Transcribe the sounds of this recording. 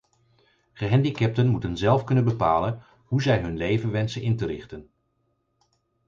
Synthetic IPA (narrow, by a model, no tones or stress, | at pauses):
χəɦɛndikɛp̚tənmutənzɛlˠfkɵnənbəpaːlən | ɦuzɛjɦɵnlejvənʋɛnsənʔɪntəɾɪχtən